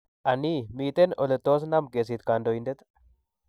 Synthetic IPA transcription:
ʔɐniːmiːt̪enɔlɛt̪ːoːs̬nɐmɡeːs̬iːt̪kaːnd̪ɔjɪnd̪ɛt̪

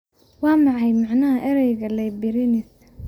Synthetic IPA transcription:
wɑːmɑʕɑjmɑʕnɐɦɐʔɛɾɛjɣɐlɛjbɪɾɪnɪs

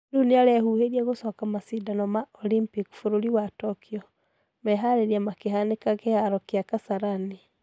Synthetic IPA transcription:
duniaɾɛhuheɾiaɣosɔkamasidanɔmaolimpiki̥fuɾoɾiwatɔkʰiɔ | mɛɦaɾeɾiamakeɦanekakehaɾɔkjakasaɾani

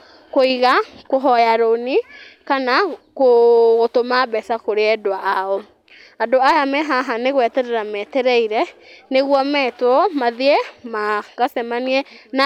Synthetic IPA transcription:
koiɣakoɦɔjaɾonikanakoɣotomabɛsakoɾeɛdoaʔːɔ | adoajamɛɦaɦaneɣwɛtɛɾɛɾamɛtɛɾɛiɾɛneɣwɔmɛtwɔmaðiɛmaɣasɛmaniɛna

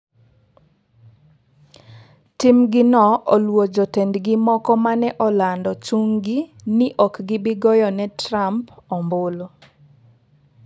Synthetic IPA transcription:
timɡɪnɔolwod͡ʒɔtendɡɪmɔkɔmanɛʔɔlandɔt͡ʃuŋɡɪ | nɪʔɔkɡɪbɪɡɔjɔnɛtrampɔmbolo

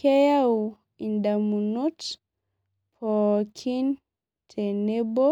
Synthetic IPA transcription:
kɛjau | indamunut | pʰɔkʰin | tʰɛnɛbɔ

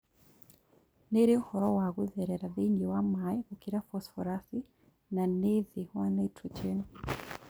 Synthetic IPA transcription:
neɾeohɔɾɔwaɣuðɛɾɛɾaðeɲɡiwamaikokiɾafɔsfɔɾasi | naneðiwanɛtʰut͡ʃɛnu

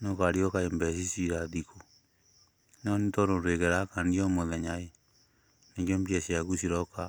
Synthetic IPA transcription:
nokaɾiokaembɛs̬isiɾaðiko | nɔnitoɾoɾekeɾakanijomoðɛɲae | nekombjesiaɣusiɾɔka

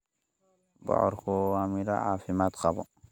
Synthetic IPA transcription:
bɔ̰ʕɔɾkɔamiɾa̰ʕa̰ːfɪmaːt̪qɑbɔ

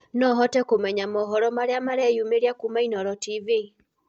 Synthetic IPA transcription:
nɔɦɔtɛkomɛɲamɔɦɔɾɔmaɾeamaɾɛjumeɾjakumainɔɾɔtivi

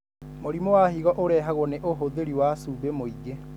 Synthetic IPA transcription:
moɾimowahiɣɔʔoɾɛːɦaɣwɔneʔoɦoðeɾiwasubemoiɡe

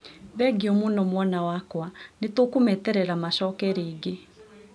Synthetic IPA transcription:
βɛɡiɔmunɔmwɔnawakwanetokumɛtɛɾɛɾamaʃɔkɛɾeːɡe

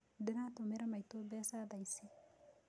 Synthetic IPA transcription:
d̪ɪnat̪omeɾamajt̪obesad̪ajsi

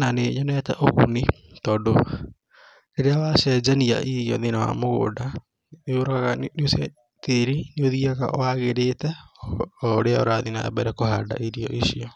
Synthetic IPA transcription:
naneɲɔnɛtɛʔoɣṵnitɔːndo | neɾeawaʃɛd͡ʒania̰ʔiɾijɔ̰ðinawa̰moɣo̰ːda | neoɾokaɣanosia | teɾineoðiaɣa̰ʔɔ̰waɣeɾetɛ | ɔɾeao̰ɾaðinaɛ̰bɛɾɛkohada̰ʔiɾiɔ̰ʔiʃiɔ

